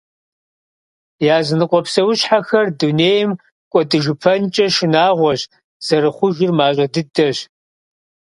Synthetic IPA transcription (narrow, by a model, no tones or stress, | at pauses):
jaːzɨnɨqʷʼɔpsɐwʊɕħaxɐrduneːjɪm | kʷʼɔdɨʒɨpʰɐnt͡ʃʼɐʃɪnaːʁʷɔɕ | z̥ɐɾɨχʷʊʒɪrmaːɕʼɐdɨdɐɕ